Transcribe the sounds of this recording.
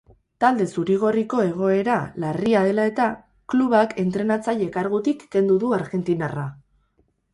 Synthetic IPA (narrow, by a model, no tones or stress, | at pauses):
t̪ald̪e̞suɾiɣ̞o̞riko̞e̞ɣ̞o̞e̞ɾalariaðe̞lae̞t̪a | kluβakʰe̞nt̪ɾe̞nat͡saje̞kaɾɣut̪ikːe̞nd̪uðuaɾɣe̞nt̪inara